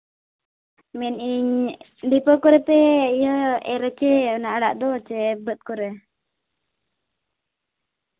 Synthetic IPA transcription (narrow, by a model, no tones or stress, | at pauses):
mɛniɲ | ɖipəkɔɾɛpɛijɔɛɾət͡ʃɛnaʔəɽa̰ʔd̪ɔt͡ʃɛbət̪̚kɔɾɛ